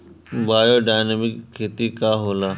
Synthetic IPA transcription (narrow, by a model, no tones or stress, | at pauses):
ʋaːjoːɖaːjnəmɪkʰːeːt̪ikaɦoːlaː